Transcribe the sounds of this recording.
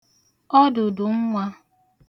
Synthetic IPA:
ɔ˦dʊ˨dʊ˨ŋ̩˦ŋʷa˦

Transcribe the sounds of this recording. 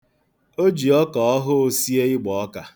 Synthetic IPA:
o˦d͡ʒi˨ɔ˦kɔ˨ɔ˦ɦʊ˦si˦e˦ɪ˦ɡ͡bɔ˨ɔ˦ka˨

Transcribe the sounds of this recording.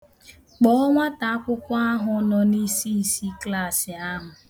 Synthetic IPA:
k͡pɔ˦ɔ˦ŋʷa˦ta˨a˦kʷʊ˦kʷa˦a˦ɦʊ˨˦nɔ˨ni˦si˦˨si˦kla˦˨sɪ˨a˦ɦʊ˨

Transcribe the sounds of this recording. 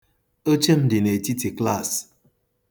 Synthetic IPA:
o˦t͡ʃe˦m̩˦di˨ne˨ti˦ti˨kla˦˨s

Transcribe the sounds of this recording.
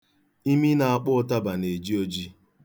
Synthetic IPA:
i˦mi˦na˨a˨k͡pʊ˦ʊ˦ta˦ba˨ne˨d͡ʒi˦o˦d͡ʒi˦

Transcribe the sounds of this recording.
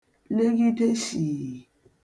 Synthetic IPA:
le˦ɡi˦te˦si˨

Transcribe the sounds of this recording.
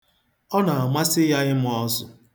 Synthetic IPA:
ɔ˦na˨a˨ma˦sɪ˦ja˦ɣɪ˦m̩˦ɔ˦sʊ̰˨

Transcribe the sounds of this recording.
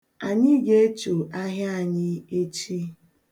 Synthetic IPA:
a˨ɲɪ˦ɡe˦t͡ʃo˨a˦ɦja˦a˨ɲɪ˦e˦t͡ʃi˦

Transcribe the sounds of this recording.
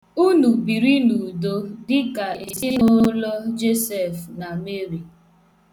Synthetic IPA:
u˦nu˨bi˨ɾi˦nu˨do˦dɪ˦ka˨i˨sɪ˦no˦lɔ˦d͡ʒe˦sɛ˨fna˨me˦ɾi˨

